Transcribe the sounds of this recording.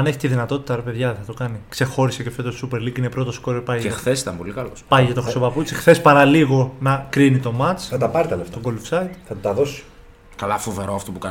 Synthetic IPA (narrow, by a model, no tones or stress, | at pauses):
ɐne̞çi̥t̪iðinɐt̪o̞t̪i̥t̪ɐɾepe̞ðʝɐθɐt̪okɐnikse̞xo̞ɾisecefet̪ossupe̞ɾliɡine̞pɾo̞t̪o̞sko̞ɾopɐjɐexθesit̪ɐmpo̞likɐlospɐjʝɐt̪oxɾiso̞pɐput͡sixθe̞spɐɾɐliɣo̞nɐkɾinit̪o̞mɐt͡sɐt̪ɐpɐɾit̪ɐleft̪oɡolfsɐit̪θɐt̪ut̪ɐðosi̥ | kɐlɐfove̞ɾoɐft̪opukɐ